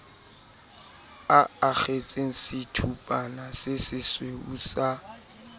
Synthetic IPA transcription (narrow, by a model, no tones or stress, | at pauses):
aak͡xet͡sʼeŋ̩sɪtʰupʼanasɪsɪsweusa